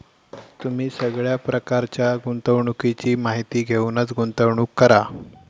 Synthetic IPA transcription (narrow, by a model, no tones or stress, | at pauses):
t̪um̤iːsəɡɭjapɾəkaɾt͡ɕjaɡunt̪əwɳukit͡ɕiːmaɦit̪iːɡʱeunət͡sɡunt̪əwɳuːkːəɾa